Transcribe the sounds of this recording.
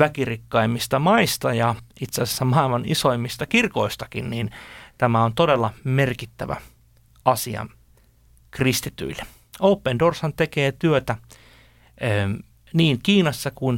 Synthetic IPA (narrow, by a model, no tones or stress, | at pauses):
ʋækirikːɑimːist̪ɑmɑist̪ɑjɑit̪seːˑse̥sːæmɑilmɑnisoimːist̪ɑkirkoist̪ɑkinniːnt̪æmæont̪odelːɑmerkit̪ːæʋæ̰ | ɑsiɑ̰n | krist̪it̪y̰ilːe | oupːendorsɑnt̪ekeːt̪yøt̪æ | niːŋkiːnɑsːɑkuin